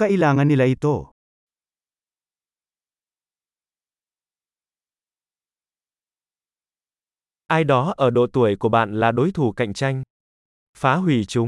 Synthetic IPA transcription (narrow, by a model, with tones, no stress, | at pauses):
ka˧ʔi˧laː˨˩ŋa˧ni˧laː˨ʔi˧t̪o˧˩ | ʔaː˧jɗɔ˨˦ʔəː˧˩ɗo̰˧˨t̪u˧˩əjku˧˩əɓa̰ː˧˨nlaː˨˩ɗo˨˦jt̪ʰu˧˩ka̰˧˨jŋ̟t͡ɕa˧jŋ̟ | faː˨˦ɦwi˧˩t͡ɕʊ˨˦ŋ͡m